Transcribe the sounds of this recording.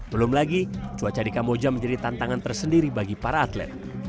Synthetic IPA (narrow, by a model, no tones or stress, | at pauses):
bəlʊmlaɡit͡ʃuat͡ʃadikamod͡ʒaməɲd͡ʒadit̪ant̪aŋant̪ərsəndiɾibaɡipaɾaːt̪lɛ̰t̪̚